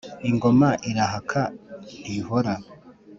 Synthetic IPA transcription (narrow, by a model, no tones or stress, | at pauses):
iŋɡomaʔiɾaɦakʰanihoɾa